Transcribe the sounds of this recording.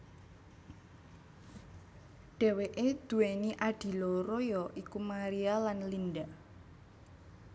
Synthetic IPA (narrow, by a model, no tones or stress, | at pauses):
ɖ̥ɛ̤weʔed̪̥ṳweniʔaɖ̥i̤lɔɾojɔʔikumaɾialanlinɖaʔ